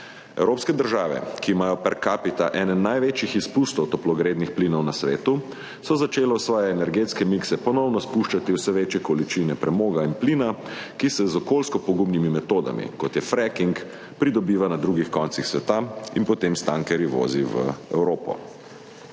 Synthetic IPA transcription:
ɛ̰wɾoːpskɛd̪əɾʒaːʋɛ̰kiːmaːjɔpɛɾkaːpit̪aʔɛːnɛnajʋeːt͡ʃjixispust̪ɔwt̪ɔplɔɡɾeːd̪nixpliːnɔwnasʋeːt̪u | sɔzat͡ʃeːlɛwsʋɔːjɛːnɛɾɡet̪skɛmiksɛpɔnɔwnɔspuʃt͡ʃat̪iwsɛʋeːt͡ʃjɛkɔlit͡ʃinɛpɾɛmoːɡainpliːnakisɛzɔkoːlskɔpɔɡumnimimɛt̪oːd̪a̰mḭkɔt̪jɛfɾɛkiŋk | pɾid̪ɔbiːʋanad̪ɾuːɡixkɔnt̪sixsʋɛt̪ainpɔt̪emst̪aŋkɛɾiʋo̰ziʋə̰ɛ̰wɾoːpɔ̰

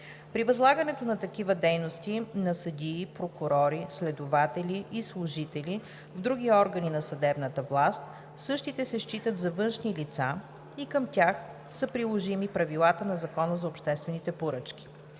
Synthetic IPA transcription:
pɾivɐzlˠaɡənɛt̪onɐt̪ɐkivəd̪ɛjnost̪inɐsɐd̪ʲiːpɾokʊɾɔɾislɛd̪ovat̪ɛlʲiʔːslˠʊʒit̪ɛlʲi | vd̪ɾuɡʲiɔɾɡəninɐsɐd̪ɛbnət̪əvlˠast̪ | sɤʃt̪it̪ɛsɛʃt͡ʃit̪ət̪zɐvɤnʃnilit̪sa | ikəmt̪ʲax | səpɾilˠoʒimipɾɐvilˠat̪ənɐzɐkɔnəzɐopʃt̪ɛst̪vɛnit̪ɛpoɾɤt͡ʃkʲi̥

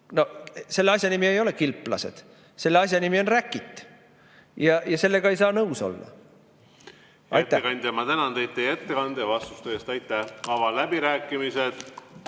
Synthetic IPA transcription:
no̞se̞lːeɑsʲjɑnimie̞jo̞le̞kilpːˑlɑ̰se̞d̪̥ | se̞lːeɑsʲjɑnimio̞nrækːˑit̪ːˑ | jɑjɑse̞lːe̞ɡ̥ɑe̞jsɑːnɤwso̞̰lːɑ̰ | jɑjt̪ːæekɑnʲd̪ɑmɑt̪ænɑnd̪ej̪̚ejet̪ːekɑnd̪evɑst̪u̥st̪øest̪ɑjt̪ːˑæhvɑvɑlæbiɾæːkːˑimised̪̥

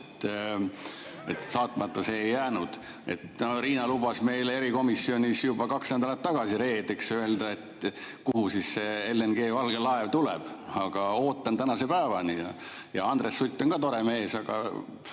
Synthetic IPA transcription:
t̪ː | et̪sɑːt̪ˑmɑt̪ːˑɑseːjːæːnud̪̥ | e̞̰t̪noriːnɑlub̥ɑsme̞jle̞ɾiko̞misːio̞nʲisjub̥ɑkɑksnæd̪ɑlɑt̪ːɑɡ̥ɑsiɾe̞ːd̪eksøe̞ld̪ɑe̞t̪kuhusisseelːenɡ̥e̞ːvɑlɡ̥elɑevt̪ulɛ̰b̥ɑɡ̥ɑo̞ːt̪ːˑɑnt̪ænɑsepæːvɑnijɑ | jɑ̰ɑnd̪resːut̪ʲːˑonkɑːt̪o̞ɾemeeːsɑɡ̥ɑ̰

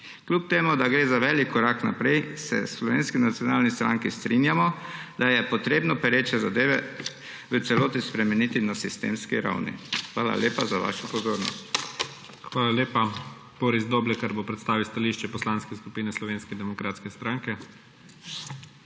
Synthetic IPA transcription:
klup̚t̪eːmud̪aɡɾeːzaʋɛːlikʰːɔɾakna̰pɾɛjsɛ̰slɔʋeːnskinat̪sjɔnaːlnist̪ɾaŋkist̪ɾinjamɔd̪ajɛpɔt̪ɾeːbnɔpɛɾeːt͡ʃɛzad̪eːʋɛ | ʋət̪sɛloːt̪ispɾɛmɛniːt̪inasist̪ḛːmskiɾa̰wnḭxʋaːla̰lʲeːpazaʋa̰ːʃɔpɔzoːɾnɔ̰st̪ | xʋaːlaleːpa | b̥oːɾizd̪oːblɛkaɾbopɾɛt̪st̪aːʋiwst̪aliːʃt͡ʃɛpɔslanskɛskupiːnɛslɔʋeːnskɛd̪ɛmɔkɾaːt̪skɛst̪ɾaːŋkɛ

